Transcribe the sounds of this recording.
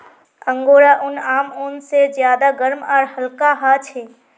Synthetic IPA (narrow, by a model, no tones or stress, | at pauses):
əŋɡoːɾaʔʊnaːmonsed͡ʒjaːd̪aɡəɾmɔːɾhəlkaɦat͡ʃʰe